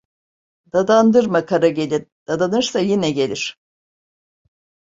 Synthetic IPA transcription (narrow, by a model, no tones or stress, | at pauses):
d̪̥ad̪and̪ɯɾmakʰaɾaɟe̞lʲiɾd̪̥ad̪anɯɾsajinɛɟe̞lʲiɾ̥